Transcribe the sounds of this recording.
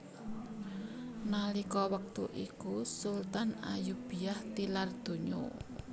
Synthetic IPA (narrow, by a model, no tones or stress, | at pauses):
nalikɔwək̚t̪uʔikusult̪ana̰jub̥i̤aht̪ilard̪̥o̤ɲo̰